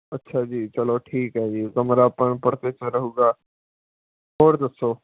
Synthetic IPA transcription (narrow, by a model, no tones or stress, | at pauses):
ɐtːʃʰad͡ʒiːt͡ʃɐloʈʰiːkɦɛd͡ʒiːkɐmɾapəɳpɐɽt̪et͡ʃəɾɐɦuːɡaː | ɦoːɾd̪ɐsoː